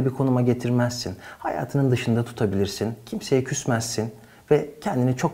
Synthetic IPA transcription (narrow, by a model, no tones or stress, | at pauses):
abikʰo̞numaɟe̞t̪ʰiɾmæz̥ːinhaja̰ːt̪ʰɯnɯnd̪ɯʃɯnd̪at̪ʰu̥t̪ʰabilʲiɾsincʰimse̞jɛcʰysmæz̥ːin | vɛcʰɛnd̪init͡ʃʰo̞k